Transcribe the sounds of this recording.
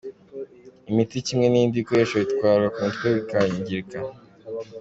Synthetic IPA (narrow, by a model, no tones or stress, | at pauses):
imiticimŋe̞nindikoɾeʃaitkwaːɾwakuntkweβikaɲiɲɟiɾka